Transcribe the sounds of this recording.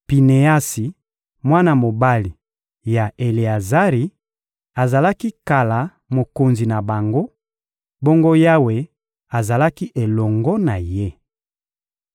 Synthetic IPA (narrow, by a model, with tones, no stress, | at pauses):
pi˨ne˨a˦si˨ | mwa˦na˦˨mo˨ba˦li˨ | ja˨ʔe˨li˨a˨za˦ʁi˨ | a˨za˨la˦ki˦ka˨la˨ | mo˨ko˨nzi˨na˨ba˨ŋɡo˦ | bo˦ŋɡo˦ja˦we˨ | a˨za˨la˦ki˦ʔe˨lɔ˨ŋɡɔ˦na˨je˦